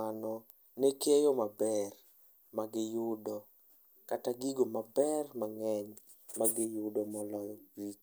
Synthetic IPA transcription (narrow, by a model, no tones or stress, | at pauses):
anɔ | nekejɔmabɛr | maɡɪjʊdɔ | kataɡiɡomabɛrmaŋɛɲ | maɡɪjʊdɔmɔlɔjɔɾit͡ʃ